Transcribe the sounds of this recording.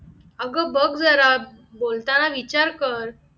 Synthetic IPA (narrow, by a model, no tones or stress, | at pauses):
əɡəbəɡd͡zəɾa | bolt̪anaʋit͡ɕaɾkəɾ